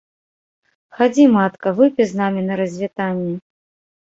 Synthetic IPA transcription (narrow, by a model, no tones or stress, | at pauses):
xad͡zʲimat̪kɐvɨpʲɛznamʲinɐɾɐzʲvʲit̪anʲːɛ